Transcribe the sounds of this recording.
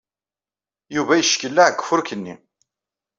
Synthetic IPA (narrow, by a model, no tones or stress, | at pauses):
juvæjəʃkəlːaʕɡfʊɾkənːḭ